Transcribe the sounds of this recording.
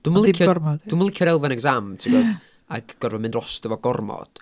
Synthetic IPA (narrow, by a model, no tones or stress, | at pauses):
d̥uməlˠɪkʰjɔɔmɔdduməlˠɪkʰjɔɾɛlˠvanɛɡzamtʰɪmɔ | aɡɡ̥ɔrvɔmɨndrɔstəvɔɡɔrmɔ̰d̥